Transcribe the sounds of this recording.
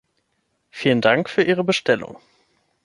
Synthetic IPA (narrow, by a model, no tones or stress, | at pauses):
fiːləndaŋkfyːɐʔiːʁ̞əbəʃtɛlʊ̰ŋ